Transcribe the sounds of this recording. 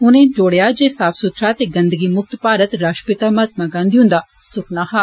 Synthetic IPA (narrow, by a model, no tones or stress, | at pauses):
ʊnẽd͡ʒoːɽejad͡ʒeːsaːpʰsʊt̪ʰɾat̪eɡɐ̃nd̪əɡimʊk̚t̪paːɾət̪ɾaːʃʈpɪt̪amaːt̪maɡãːnd̪iʊ̃nd̪aːsʊknaːhaː